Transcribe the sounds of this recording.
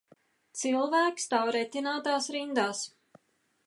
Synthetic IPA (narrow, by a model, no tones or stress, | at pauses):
t̪silˠvæːkst̪awɾɛt̪ʲinaːt̪aːsɾind̪aːs